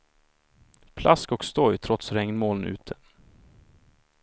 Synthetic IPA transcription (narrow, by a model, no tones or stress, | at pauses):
pʰlʔaskɔkst̪ɔjt̪ʰɾɔt̪sɾɛŋnmoːlənʉ̟̰ːt̪ʰə̥